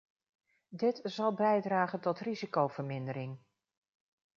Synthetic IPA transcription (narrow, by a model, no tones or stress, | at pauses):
dɪtz̥ɑlˠbɛjdraːχəntɔtrizikowv̥əɹmɪndəɾɪŋ